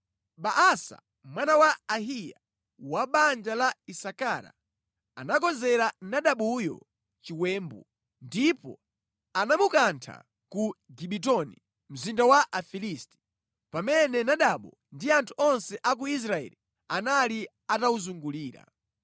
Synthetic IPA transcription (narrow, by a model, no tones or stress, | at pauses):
ɓaʔasa̰ | mwanawaːɦija̰ | waɓand͡ʒalaisakaɾa̰ | a̰nak̬ɔzɛɾanaɗaɓujɔ̰ | t͡ʃiwɛːmbu | ndipɔ̰ | anamukantʰa̰ | kuɡiɓit̬ɔni | m̩zindawaʔafilisti̥ | pamɛnɛnaɗaɓɔ | ndiantʰuɔnsɛʔak̬uis̬ɾaɛ̰li | anali | atauzuŋɡuliːɾa̰